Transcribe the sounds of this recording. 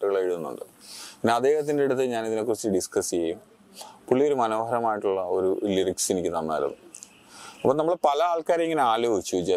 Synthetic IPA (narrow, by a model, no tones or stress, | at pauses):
ʈːuɣɐɭeeɻuðunːṵɳɖɨpinːeɐd̪ːe̞ːhɐt̪ːindeiɽɐt̪̬ːɨɲaːniðinekːurɐt͡ɕːɨɖiskɐsijejum | puɭːijo̞ɾumɐno̞ːɦɐɾɐmaːjiʈːuɭːɐoɾuliriksinikʲːɨt̪ɐmːa̰ːɾṵnːṵ | ɐpːoːnɐmːɐɭpɐlɐaːɭkaːɾɐiŋːɐneaːlo̞ːɡit͡ɕːud͡ʑa